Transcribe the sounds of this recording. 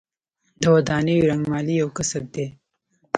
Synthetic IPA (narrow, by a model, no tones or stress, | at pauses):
d̪əwɐd̪ɑːnejɾaŋɡmɑːlijawkəsab̚d̪e